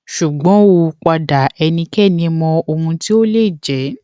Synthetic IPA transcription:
ʃu˨ɡ͡bɔ̃˨˦o˧k͡pa˧da˨ɛ˧nĩ˧kɛ˦˨nĩ˧mɔ̃˧o˧hũ˧ti˦o˦le˦˨d͡ʒɛ˨˦

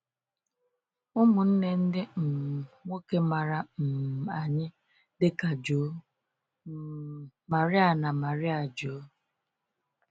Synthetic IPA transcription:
ʊ˦mʊ˨n̩˦ne˦n̩˦dɪ˦m̩˨ŋo˦ke˦ma˨ɾa˨m̩˨a˨ɲɪ˦ | dɪ˦ka˨d͡ʒo˨˦ | ma˨ɾɪ˦a˨na˨ma˨ɾɪ˦a˨d͡ʒoː˨˦

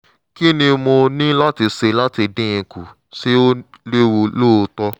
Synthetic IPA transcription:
ki˦nĩ˧mo˧nĩ˦la˦ti˧se˧la˦ti˧dĩ˦ĩ˧ku˨ | si˦o˦le˦wo˧lo˦o˧tɔ˦

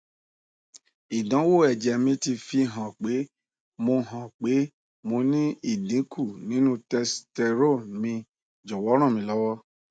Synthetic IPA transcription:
i˨dã˨˦wo˦˨ɛ˨d͡ʒɛ˨mĩ˧ti˧fi˧ɦã˨k͡pe˨˦ | mo˧ɦã˨k͡pe˨˦ | mo˧nĩ˦i˦˨dĩ˨˦kʰu˦˨nĩ˨˦nũ˦tɛ˧stɛ˧ɾo˦˨mĩ˧ | d͡ʒɔ˨wɔ˨˦ɾ̃ã˦˨mĩ˧lɔ˦wɔ˦

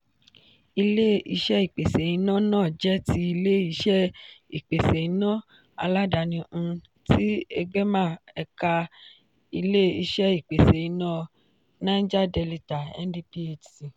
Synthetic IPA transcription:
i˧le˦i˧ʃɛ˦i˦˨k͡pe˨se˨i˨˧˦nã˦nãː˦˨d͡ʒɛ˦ti˧i˧le˦i˧ʃɛ˦i˨k͡pe˨se˨i˨˦nã˦ | a̰˧la˦da˨nĩ˧ | ti˦e˧ɡ͡bɛ˦mã˦˨ɛ˧ka˧ | i˧le˦i˧ʃɛ˦i˦˨k͡pe˨se˨i˧˦nã˦ | nã˦n̩˦d͡ʒa˦dɛ˧li˧ta˨ɛ̰˦n˦di˧pi˦e˨ti˨

